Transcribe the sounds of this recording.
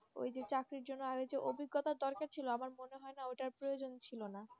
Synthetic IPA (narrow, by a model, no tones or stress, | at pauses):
o̰jd͡ʑet͡ɕakɾiɾd͡ʑonːoaɡed͡ʑeʔobʱiɡːot̪aɾd̪ɔɾkaɾt͡ɕʰiloamaɾmoneɦɔenaoʈaɾpɾojod͡ʑont͡ɕʰilona